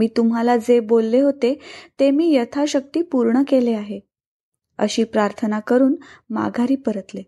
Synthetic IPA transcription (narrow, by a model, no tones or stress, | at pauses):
miːt̪um̤ɦalad͡zebolːeɦot̪et̪emiːjət̪ʰaɕək̚t̪iːpuɾɳəkeleaɦe | ə̰ɕiːpɾaɾt̪ʰənakəɾuːnma̰ɡʱaɾiːpəɾət̪le